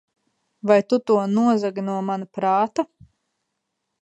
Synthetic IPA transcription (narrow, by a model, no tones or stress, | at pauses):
vajt̪ut̪uɔnuɔzaɡnuɔmanapɾaːt̪a